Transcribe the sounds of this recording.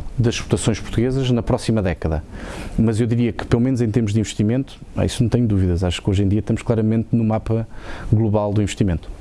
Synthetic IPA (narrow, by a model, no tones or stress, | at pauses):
d̪ɐʃʃpu̥t̪ɐsõj̃ʃpuɾt̪uɣezɐʒnɐpɾɔsimɐðɛkɐðɐ̰mɐzewðiɾiɐkɨ̥pelˠumẽnuzẽt̪eɾmuʒd̪ĩvɨʃt̪imẽnt̪u̥a̰isunɐ̃w̃t̪ɛɲud̪uviðɐzaʃu̥kojʒẽd̪iɐʃt̪ɐmuʃklˠaɾɐmẽnt̪numapɐɣlˠuβalˠd̪uĩvɨʃt̪imẽnt̪u̥